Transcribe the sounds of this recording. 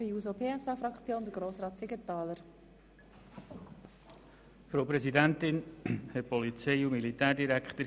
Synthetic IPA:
əjuːzopʰeːɛsɑfɾɑkt͡sjoːnd̪əɡɾoːsʁɑːt̪sɪɡət̪ɑːləɾ | fɾoʊpɾɛzidænt̪ɪnhɛt̚pɔlit͡seɪʊmilit̪æːɾdiɾækt̪əɾ

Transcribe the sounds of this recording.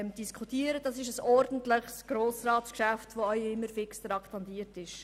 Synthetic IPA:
md̥iskʰutiːəɾəd̥ɑsɪʃəsɔɾdən̩tləχsɡ̥ɾoːsrɑːtskʃæftʋoœʏɪmːəɾfɪksd̥̪ɾɑktɑntiːəɾtɪʃ

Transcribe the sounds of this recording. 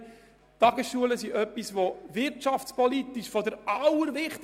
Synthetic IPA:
tɑɡəsʃuələsiʔœpːisvovɪɾtɑftt͡spɔlit̪iʃfɔdəɾɑwəɾvɪχt

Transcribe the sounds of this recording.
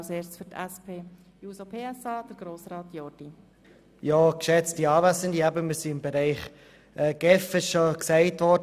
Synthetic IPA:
seːɾfytɛspeː | juːsopʰeːɛsɑːd̥əɾɡ̥ɾoːsrɑːt̪jɔd̥i | jɑːkʃɛt͡stiɑːvæsəndiæbəmɪsiɪmbeɾæɪχ | ʔɛːɡ̥ɛfɪʃʃoksæɪtvɔɾd

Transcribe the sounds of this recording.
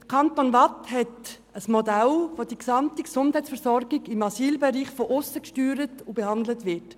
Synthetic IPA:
d̥əkʰɑntonvɑthɛt | əsmodælvodiksɑmtiksʊndhɛɪtsfəɾsɔɾɡɪɡɪmɑsiːlbeɾiːχfɔʔʊsəkʃtyːɾətubehɑndlətvɪt

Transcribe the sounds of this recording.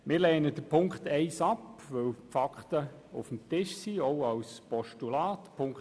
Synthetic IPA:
mɪːɾlɛːnəd̥əpʰʊŋkχtɛɪsɑpʋœwfɑkχtə | ṵfm̩tɪʃsioʊɑwspɔʃtulaːtpʰʊŋk

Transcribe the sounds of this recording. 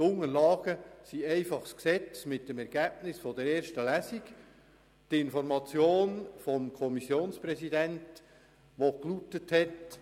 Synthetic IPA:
ʊŋəlɑːɡ̥əsiɛɪfɑχsksɛt͡smɪt̚dəmɛɾɡ̥æːb̚nɪsfɔd̥ɛɾeːɾʃtəlæsik | tɪnfɔɾmɑt͡sjoːnfɔmkʰɔmisjoːnspɾɛsidænt | ʋoklutːəthɛt

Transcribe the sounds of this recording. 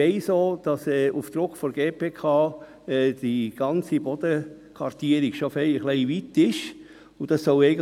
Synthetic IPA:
ɛɪsoːd̥ɑsɛːʔufd̥̪ɾʊkfɔɾɡeːpʰeːkʰɑː | ɛːd̥iɡ̥ɑnt͡sibɔd̥̪ə | kʰʋɑɾtiəɾiɡ̥ʃofɛjχlɛɪʋit̪ɪʃ | ud̥ɑsːɔʊɛɪɡə

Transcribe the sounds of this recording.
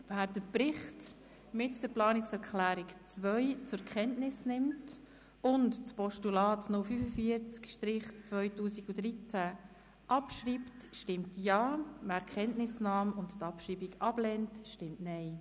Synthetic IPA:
væːɾdəpɾɪχt | mɪtd̥əɾplɑːnɪksɛɾkʰχlæːɾikt͡sʋœjt͡sʊɾkχɛntnɪsnɪmt | ʊntt͡spɔʃtulɑːtnʊlfyfəfiəɾt͡skʃtɾɪχt͡svœʏtuːsiɡudɾit͡sæ | ʔɑpʃɾiːptʃtɪmtjɑːmæɾkʰɛntnɪsnɑːmʊnttɑpʃɾiːbiɡɑb̥lɛntʃtɪmtnɛɪ

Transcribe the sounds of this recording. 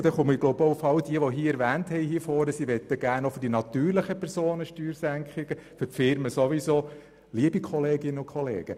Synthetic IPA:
d̥̪ɛχʊməɪɡlɔʊboufɑld̪iəʋɔɦiːəɛɾʋæːnthɛjhifoːɾəsiʋɛt̪ːəɡ̥æːnofʏɾd̥inɑt̪yːɾləχəpʰɛɾsoːnəʃtyːɾsæŋkχɪɡ̥əfʏtfɪɾməsoʋisoː | liəbikʰɔleːɡɪnəʊkʰχɔlḛːɡ̥ə

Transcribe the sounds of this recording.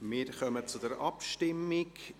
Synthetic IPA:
mɪːɾχœmət͡sʊd̥ɛɾʔɑpʃtɪmːɪk

